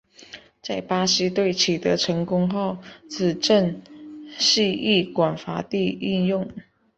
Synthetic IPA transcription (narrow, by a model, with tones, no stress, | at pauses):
t͡sa˥˩ɪpa˥si˥t̪we˥˩ɪt͡ɕʰi˨˩t̪ə˧˦ʈ͡ʂʰə˧˥ŋkʊ˥ŋxo˥˩ʊt͡sʰɹ̩˨˩ʈ͡ʂə˥˧n | ɕi˥˧i˥˩kwa˨˩nfa˧˥t̪i˥˧i˥˧njʊ˥˩ŋ